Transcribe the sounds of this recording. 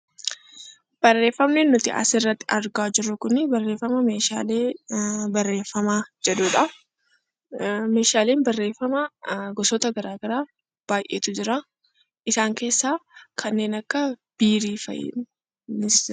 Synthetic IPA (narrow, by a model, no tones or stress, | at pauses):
b̥ɐrːe̞ːfːɐmnɛnːʊt̪ɪ̰ʔɐ̰sɪrːɐt̪ːɪɐɾɡaːd͡ʒɪɾːʊkʊnɪbɐrːeːfːɐmɐme̞ːʃa̰ːleːbɐrːe̞ːfːɐmaːd͡ʒɛᶑuːᶑɐ | me̞ːʃaːleːnbɐrːe̞ːfɐmɐɡɔsɔt̪ɐɡɐɾaːɡɐɾaː | b̥aːjʔḛːt̪ʊd͡ʒɪɾaː | ʔɪsaːŋke̞ːsːaːkʰɐnːe̞ːnɐkːɐb̥iːɾiːfɐ̰j̰ | nɪs